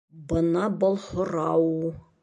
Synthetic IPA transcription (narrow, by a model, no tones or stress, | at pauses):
bɤ̆nɑbŏlˠhŏɾɑwu